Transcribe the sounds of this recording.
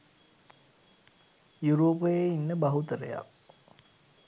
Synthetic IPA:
juɾoːpəjeinːəbɐɦut̪əɾə̰ja̰k̚

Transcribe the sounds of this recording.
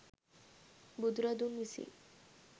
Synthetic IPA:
bud̪ɾad̪unmisḭ

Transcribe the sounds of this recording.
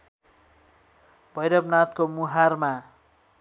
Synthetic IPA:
bʱʌjɾʌbnat̪̚komuɦarma

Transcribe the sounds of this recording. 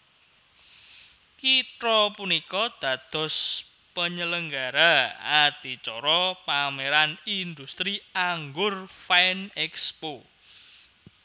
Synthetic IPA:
kit̪ɾɔpunikɔd̪̥ä̤d̪̥ɔ̤s | pəɲələŋɡaɾaad̪̥i̤t͡ʃɔɾɔpameɾanind̪ust̪ɾiaŋɡʊrfanɛkspo

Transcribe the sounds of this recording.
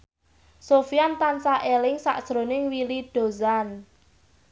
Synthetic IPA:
sofijant̪ansaʔelɪŋsa̰ʔd̥ʒ̥ɾonɪŋwiliɖ̥o̤zan

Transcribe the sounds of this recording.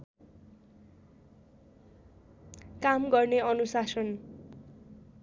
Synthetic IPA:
kamɡʌrneʌnusasʌn

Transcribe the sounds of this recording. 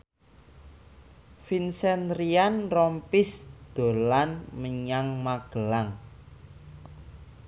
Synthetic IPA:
finsɛnɾianrɔmpɪsd̪̥o̤lanməɲaŋmaɡ̥ə̤laŋ

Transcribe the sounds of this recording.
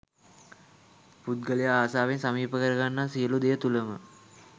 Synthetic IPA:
put̪̚ɡəlijaaːsaːʋensamiːpəkəɾəɡanːaːsijəlud̪ejət̪uləmə

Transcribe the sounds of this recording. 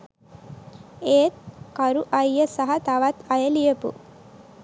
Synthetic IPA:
eːt̪̚kɐɾuʔɐjːəsaɦɐt̪ɐʋat̪ɐjəlijəpṵ

